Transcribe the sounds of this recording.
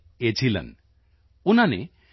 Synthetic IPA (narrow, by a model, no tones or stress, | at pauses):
et͡ʃʰilḛn | unanḛ